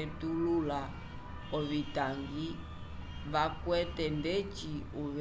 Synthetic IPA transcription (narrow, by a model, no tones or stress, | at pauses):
ɛtulula | ɔβitaŋɡi | βakwɛtɛndɛt͡ʃiuβ